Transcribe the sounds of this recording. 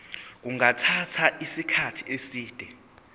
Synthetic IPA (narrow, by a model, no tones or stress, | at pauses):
k̬uŋatʰatʰaʔisikʰatʰiesiːd̥ʱɛ